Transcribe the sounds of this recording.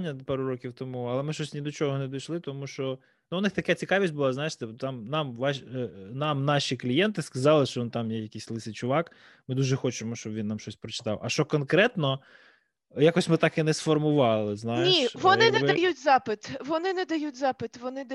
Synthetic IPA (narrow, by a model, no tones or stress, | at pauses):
nʲːɐpɑɾʊɾɔkʲiwt̪ɔmuɐlˠɛmɪʃɔsʲnʲid̪ɔt͡ʃɔɦɔnɛd̪ɔjʃlˠɪt̪ɔmuʃt͡ʃɔ | nuʊnɪxt̪ɐkɛt͡sʲikɑʋʲisʲt̚ʲbʊlˠɑznɑjeʃt̪ɪpt̪ɑmnɑmʋɑʃnɑmnɑʃʲiklʲijɛnt̪ɪskɐzɑlˠɪʃt͡ʃɔʋint̪ɑmjɛjɐkʲisʲlˠɪsɪt͡ʃʊʋɑk | mɪd̪uʒɛxɔt͡ʃɪmɔʃt͡ʃɔbʋʲinːamʃt͡ʃɔsʲpɾɔt͡ʃɪ̥t̪ɑ̰wʔɐʃt͡ʃɔkɔnkɾɛt̪nɔ | jɑkɔsʲmɪt̪ɑkɪnɛsfɔrmʊʋɑlˠɪznɑjenʲiʋɔnɪnɛʋɪd̪jutʲzɑpɪt̪ʋɔnɪnɛd̪ɐjutʲzɑpɪt̪ʋɔnɪd̪